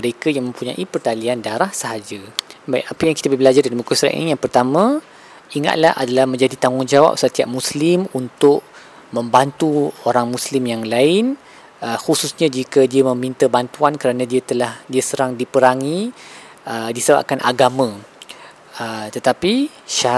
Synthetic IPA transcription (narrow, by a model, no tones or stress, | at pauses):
məɾekajaŋmə̃mpuɲã̰ʔipərt̪aliandaɾahsəɦad͡ʒabajʔapəjaŋkit̪abəbəlad͡ʒardaɾimukusɾa̰ʔnḭjaŋpərt̪amã | iŋa̰t̪̚laha̰dalahmə̃ɲd͡ʒadit̪aŋʊnd͡ʒawa̰p̚sət̪iap̚muslɪmunt̪ʊʔ | mə̃mbant̪uoɾaŋmuslimjaŋlaɪn | əxususɲãd͡ʒikadiamə̃mint̪əbant̪uankəɾanãdiat̪əlahdiasəɾaŋdipəɾaŋi | ədisəba̰p̚kanʔa̰ɡamã | ət̪ət̪api | ʃa